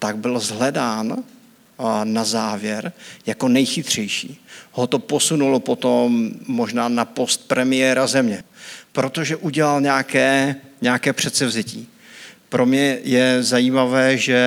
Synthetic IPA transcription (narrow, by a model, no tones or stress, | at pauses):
t̪aɡ̚bɪlzɦlɛdaːn | azaːvjɛɾjako̞nɛjxɪt̪r̝̥ɛjʃiːho̞t̪o̞po̞sunulopo̞t̪o̞mːo̞ʒnaːnapo̞st̪̚pɾɛmɪjɛɾazɛmɲɛpɾo̞t̪o̞ʒɛʔuɟɛlalɲɛakɛːɲɛakɛːpr̝̥ɛt̪sɛvzɛciː | pɾʔo̞mɲɛjɛzajiːmavɛːʒɛ